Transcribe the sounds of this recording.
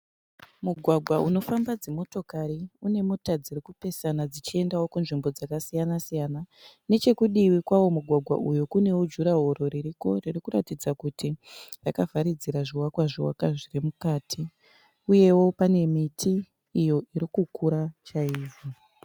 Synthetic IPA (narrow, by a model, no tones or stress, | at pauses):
muɡʱwaɡʱwauno̞fambad͡zemo̞to̞kaɾiune̞motad͡zirikupe̞sanad͡zit͡ʃie̞ndawokunʐimbo̞d͡zakasijanasijana | ne̞t͡ʃe̞kuɗiwikwawo̞muɡʱwaɡʱwa̰ʔujukune̞wod͡ʒuɾaɦo̞ɾo̞ɾiɾiko̞̰ririkuɾatid͡zakutirakavaɾid͡ziɾaʐiwakwaʐiwa̰kaʐirimukaːtʰi | uje̞wo̞pane̞mitʰiː | jo̞ʔiɾikukʰuɾat͡ʃaiːʐi